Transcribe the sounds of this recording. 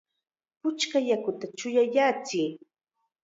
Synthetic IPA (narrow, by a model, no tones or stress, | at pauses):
pʊt͡ʃkajakʊt̪at͡ʃʊjajat͡sɪː